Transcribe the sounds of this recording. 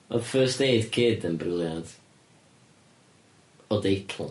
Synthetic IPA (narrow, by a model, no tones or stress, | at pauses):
ɔðfɜːsteɨdkʰɪdənbrɪlˠjad̥ | ɔdejtʰl̩ˠ